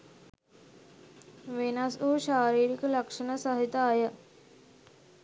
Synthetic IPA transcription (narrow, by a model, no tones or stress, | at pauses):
ʋenasuɕaːɾiːɽikələkʂənəsəɦit̪aːjə